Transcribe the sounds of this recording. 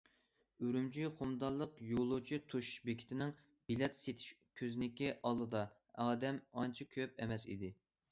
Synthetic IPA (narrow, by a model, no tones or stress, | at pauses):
yɾymd͡ʒʰiχomd̪ɑlˠːəqjolˠut͡ʃʰit̪ʰuʃbekʲʰɪ̥t̪ʰɪnɪŋ | bilɛt̪set̪ʰi̥ʃkʲʰøznɪkʲiʔɑlˠːɨd̪ɑ | ɑːd̪ɛmɑnt͡ʃʰikʲʰøp̚ɛmɛsḭd̪ɪ